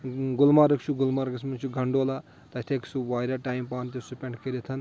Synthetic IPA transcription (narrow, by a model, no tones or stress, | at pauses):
ɡulmaɾɐkt͡ʃʰuɡulmaɾɐksmɐnt͡ʃʰuɡʱɐɳɖoːla | t̪ɐt̪ʰeksuʋaːjɾaʈaːjmpaːnt̪osupʲeɳʈkeɾet̪ʰɐn